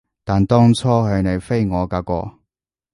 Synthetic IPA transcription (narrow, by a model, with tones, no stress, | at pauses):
t̪aː˨nt̪ɔː˥ŋt͡sʰɔː˥hɵ˨˧ɥne˨˧jfe˥jŋɔː˨˧kaː˧kɔ̰ː˧